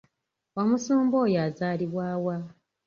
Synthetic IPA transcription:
wamusuːmbo̞jaːzaːliβwaːwa

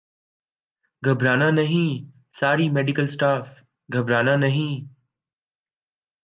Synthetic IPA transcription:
ɡʱɐbɾaːnãːnɐɦĩː | saːɾiːmeːɖɪkəlsʈaːf | ɡʱɐbɾaːnãːnɐɦĩː

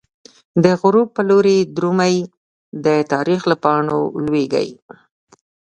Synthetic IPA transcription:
d̪əɣʊɾupəloɾed̪ɾumaj | d̪ət̪ɑɾixlapɑɳo̰lweɡa̰j

